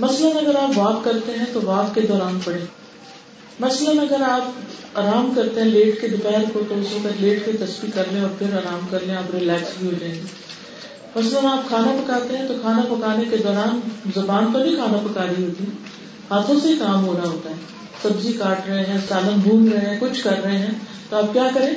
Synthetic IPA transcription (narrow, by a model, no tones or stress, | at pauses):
mɐsləmẽɐɡəɾaːpʋaːt̪kɐɾt̪eɦɛ̃t̪oʋaːt̪ked̪ɔːɾaːnpɐɽẽː | mɐsləmɐɡəɾaːpaːɾaːmkɐɾt̪ẽɦɛ̃leːʈked̪ʊpɛɦəɾkot̪oːsõkɐɾleːʈkit̪ɐspikːɐɾlẽɔːɾpʰɪɾaːɾaːmkɐɾlẽaːpɾɪlɛːksbʱiɦoːd͡ʒẽːe | mɐsləmaːp̚kʰaːnapɐkaːt̪eɦɛ̃t̪okʰaːnapɐkaːneked̪ɔːɾaːnzɐbaːnkabʱikʰaːnapɐkaːɾiɦoːt̪iɦɛ̃ | haːt̪ʰõsekaːmɦoːɾaɦoːt̪aɦɛː | sɐbzikaːʈɾɐɦeɦɛ̃saːləmbʱũːmɾɐɦẽkʊt͡ʃʰkɐɾːɐɦeɦɛ̃ːt̪oaːp̚kjaːkɐɾẽː